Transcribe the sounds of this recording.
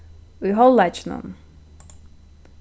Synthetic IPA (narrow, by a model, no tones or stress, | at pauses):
ujɦɔlːat͡ʃʰnṵn